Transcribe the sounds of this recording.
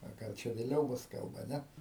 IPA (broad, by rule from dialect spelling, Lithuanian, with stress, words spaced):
ɐ ɡɐlˠ ˈt͡ʃʲɛ ʋʲeːˈlʲɛʊ ˈbʊs ˈkɐlˠbɐ ˈnʲɛ